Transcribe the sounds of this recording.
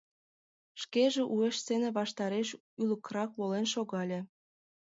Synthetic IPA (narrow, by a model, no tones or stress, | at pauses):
ʃkeʒĕʔueʃsenĕβɑʃt̪ɑɾeʃ | ylə̆krɑkβolenʃoɣɑlʲĕ